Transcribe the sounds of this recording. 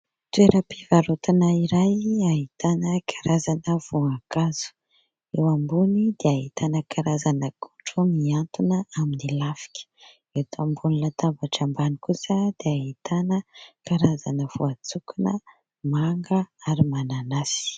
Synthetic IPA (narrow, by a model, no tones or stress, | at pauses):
t̪ueɾəpivaɾut̪anaiɾajaɦit̪anəkʰaɾazanəv̥uakaz̥u̥ | ewambunid̪eaɦit̪ʰanəkʰaɾazanəku̥ʈ͡ʂumiant̪unəaminilafi̥kʲə̥ | et̪ambunilat̪avaʈ͡ʂambanikusəd̪̥eaɦit̪anəkaɾazanəv̥uat͡sukunə | maŋɡəaɾimananasi̥